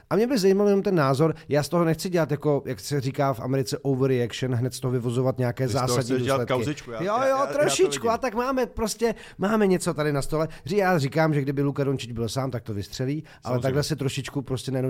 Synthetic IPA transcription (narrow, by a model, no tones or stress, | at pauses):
ʔamɲɛbɪzajimaljɛnomt̪ɛnːaːzo̞ɾjaːst̪oɦonɛxt͡sɪɟɛlat̪jako̞jaksɛriːkaːfʔa̰mɛɾɪt͡sɛʔowvɾɪakʃɛnɦnɛt̪st̪oɦovɪvozovat̪ɲɛakɛːzaːsadɲiduslɛt̪aɪɪt͡ʃkujojot̪ɾoʃɪt͡ʃkuat̪akmaːmɛpɾo̞scɛ | maːmɛɲɛt͡so̞t̪adɪnast̪o̞lɛjaːriːkaːmʒɛɡdɪbɪlukadont͡ʃɪd͡ʒbɪlsaːmt̪ak̚t̪o̞vɪst̪r̝̥ɛliː | ʔa̰lɛt̪aɡlɛsɛt̪ɾoʃɪt͡ʃkupɾo̞scɛnajɛno